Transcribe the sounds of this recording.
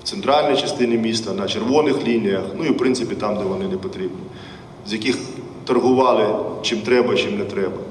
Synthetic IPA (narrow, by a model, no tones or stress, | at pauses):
w̥tsɛnt̪ɾɑlʲnʲijt͡ʃɐst̪ɪnʲimʲist̪ɐnɐt͡ʃerʋɔnɪxlʲinʲijɐxnuiwpɾɪntsɪpʲit̪ɑmd̪ɛʋɔnɪnɛpɔt̪ɾʲibnʲi | zʲjɐkɪx | t̪ɐrɦʊʋɑlˠɪt͡ʃimt̪ɾɛbɐit͡ʃimnɛt̪ɾɛbɐ